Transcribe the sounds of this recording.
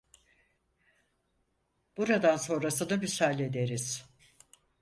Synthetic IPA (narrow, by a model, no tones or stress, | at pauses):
b̥uɾad̪anso̞nɾasɯnabisalʲe̞d̪e̞ɾiz̥